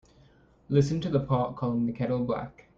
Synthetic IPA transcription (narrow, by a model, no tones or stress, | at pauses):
lɪsɨ̃ntɨðəpʰɑˑt̚kʰɔlˠɪ̃ŋðɨkʰɛɾl̩ˠblæ̰k